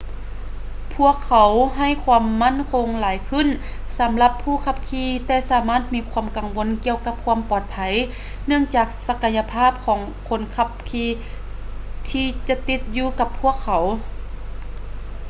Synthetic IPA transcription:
pʰu˧˥˩əkʰːa˨˩˦wɦa˧˩˨jkʰwu˧˥mːa˥˨nkʰo˧˥ŋlaː˨˦jkʰɯ˧˨n | sa˨˦mla˧pʰːuː˧˩kʰa˧˥p̚kʰiː˧t̪ɛː˧˩saː˨˩˦maː˧˥˩t̪̚miː˧˥kʰua˧˥əmka˨˩ŋʋo˧˥˨nki˧əwka˧˥p̚kʰu˧əmpɔː˨˩t̪̚pʰa˨˩˦j | nɯ˥˩əŋt͡ɕaː˨˩k̚sa˧ka˧nja˧pʰaː˥˨p̚kʰɔː˩˦ŋ | kʰo˧˥nkʰa˧p̚kʰiː˧ | t̪ʰiː˧t͡ɕa˧t̪i˧t̪̚juː˧ka˧pʰːu˧˥˩əkʰːa˨˦w

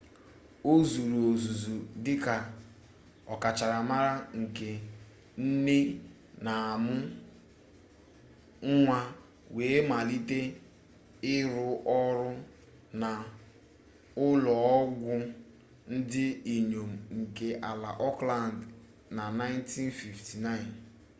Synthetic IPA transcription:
o˦zu˨ɾu˨o˨zu˨zu˨dɪ˦ka˨ | ɔ˨ka˨t͡ʃa˨ɾa˨ma˦ɾa˦ŋ̩˨ke˨ | n̩˦ne˦ | na˨a˨mʊ˦ | ŋ̩˦ŋʷa˦ | we˨˦ma˨li˦te˦ | ɪ˦ɾʊ˦ʔɔ˦ɾʊ˦ | na˨ | ʊ˦lɔ˨ɔ˦ɡʷʊ˦ | n̩˦dɪ˦i˨ɲo˨m̩˨ŋ̩˨ke˨ʔa˨la˨ʔɔ˦kla˦˨nd | na˨na˦ɪ˦n˦ti˦n˦fi˨fti˨na˦ɪ˨n

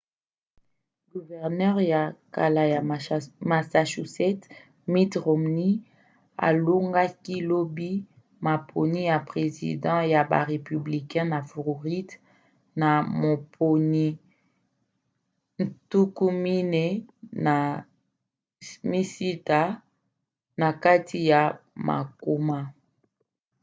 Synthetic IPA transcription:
ɡu˨vɛ˨ʁnɛ˦ʁja˨ka˨la˨ja˨ma˨sa˨ʃu˨sɛ˦t | mi˦tʁo˨mni˦ | a̰˨lo˦ŋɡa˦ki˦lo˦bi˦ | ma˨pʰo˨ni˦ja˨pʁe˨zḭ˨dɑ̃˦ja˨ba̰˨ʁe˨py˨bli˨kɛ̃˦na˨fʁo˨ʁi˦t | na˨mo˨pʰo˨ni˦ | n̩˨tu˦ku˦mi˦ne˦na˨ | mi˦si˦ta˦ | na˨ka˦tʰi˦ja˨ma̰˨ko˦ma˦

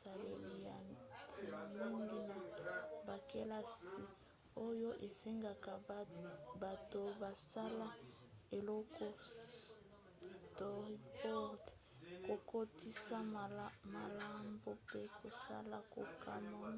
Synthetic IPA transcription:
a˨le˨li˨ja˨tʰi˨na˨mi˦ŋɡi˦na˨ba˨ke˦la˦si˨ | o˦jo˦ʔe˨se˦ŋɡa˨ka˨ | ba˨to˨ba˨sa˦la˦ | e˨lɔ˦kʰɔ˦ | stɔ˦˨ʁi˦pɔ˦d | ko˨ko˦ti˦sa˦˨ma˨la˦mbo˦pe˦ko˨sa̰˦la˦ko̰˨kʰa˦ma˦

